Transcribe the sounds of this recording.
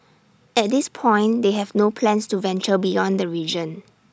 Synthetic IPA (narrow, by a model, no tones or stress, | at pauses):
ʔɛt̚dispʰɔ̃ɪ̃ndeɦɛvnopʰlɛ̃nstuvɛ̃nt͡ʃəbijɔ̃ndəɹid͡ʒə̃n